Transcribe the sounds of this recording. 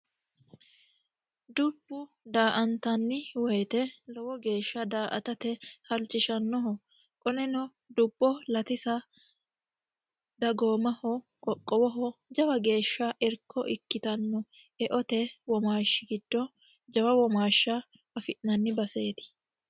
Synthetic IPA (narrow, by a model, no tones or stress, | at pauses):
d̪ʊbːʊ | d̪aːʔɐnt̪ɐnːɪwɔjt̪ɛlɔwɔɡe̞ːʃːɐd̪aːʔɐ̰t̪ɐt̪ɛhɐlt͡ʃːɪʃɐnːɔɦɔ | kʼɔnɛnɔ | d̪ʊbːɔlɐt̪ɪsɐ | d̪ɐɡo̞ːmɐhɔ | kʼɔkʼːɔwɔɦɔd͡ʒɐwɐɡe̞ːʃːɐʔɪɾkʰːɔʔɪkːɪt̪ɐnːɔ | ɛʔɔt̪ɛwɔmaːʃːɪɡɪd̪̥ːɔ | d͡ʒɐwɐwɔmaːʃːɐ | ɐfɪʔnɐnːɪbɐse̞ːt̪ɪ̥